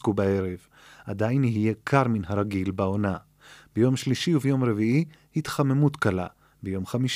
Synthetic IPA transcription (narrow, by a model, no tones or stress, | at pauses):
kubae̞ʁev | ʔad̪ajniɦije̞kʰaʁminɦaɾaɡilbao̞na | b̥ejo̞mʃliʃiuvejo̞mɾe̞viʔi | hit̪χame̞mut̪kala̰ | bejo̞mχamiʃ